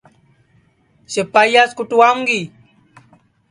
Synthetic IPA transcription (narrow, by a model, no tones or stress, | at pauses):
səpajaskuʈuwamɡi